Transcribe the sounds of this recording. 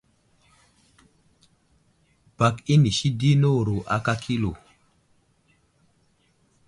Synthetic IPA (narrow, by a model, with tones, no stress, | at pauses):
b̥a˨ki˦ni˨ʃi˦di˦no˦˨ɾo˨ʔa˨ka˦kʰi˦lo˨